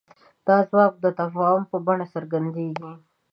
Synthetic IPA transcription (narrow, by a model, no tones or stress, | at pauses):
d̪̥ɑzwɑːk̚d̪ət̪afɑhʊmpəbaɳasəɾɡand̪eɡi